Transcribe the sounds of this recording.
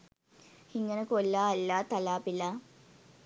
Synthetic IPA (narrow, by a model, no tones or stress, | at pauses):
hiŋɡənəkolːaːlːaːt̪alaːpilaː